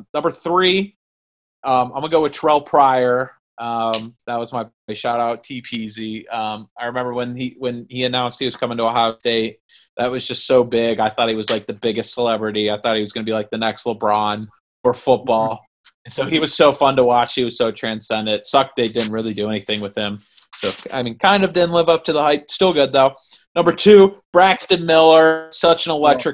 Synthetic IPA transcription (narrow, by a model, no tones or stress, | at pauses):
nʌ̃mbə˞θɹi | ʌ̃maɪmʌ̃nəɡoʊwɨ̥tʰɹ̥ɛlˠpʰɹ̥aɪə˞ | ʔʌ̃mðət̚wʌzmaɪbɔɪʃɑɾaʊtʰipʰiziʌ̃maɪɹɨmɛ̃mbə˞wə̃niwɨ̃niɨnãʊ̃nst̚hiwʌz̥kʰʌ̃mɪ̃ŋtəəɦɑd̥eɪt̚ | ðɨt̚wʌzd͡ʒʌstsoʊbɪɡaɪθɔt̚hiwʌzlaɪk̚ðɨbɪɡɨstsəlɛbɹɨɾiaɪθɔt̚hiwʌzɡʌnəbilaɪk̚ðɨnɛksləbɹɑ̃n | fə˞fʊt̚b̥ɔlˠ | ɨ̃nsoʊiwʌz̥soʊfʌ̃ntəwɑt͡ʃhiwʌz̥soʊtʰɹ̥æ̃nsɛ̃ndɨ̃ntsʌk̚d̥eɪdɪdⁿn̩t̚ɹɪlˠidɨɛniθɪ̃ŋwɨð̥ɪ̃m | soʊa̰ɪmĩnkʰãɪ̃ndʌvdɪdⁿn̩lɪvʌp̚tʰɨðəhaɪt̚stɪlˠɡʊd̪̚ðoʊnʌ̃mbə˞tʰʉb̥ɹækstɨ̃nmɪlˠə˞sʌt͡ʃɨ̃nəlɛk̚tɹ̥ɨk̚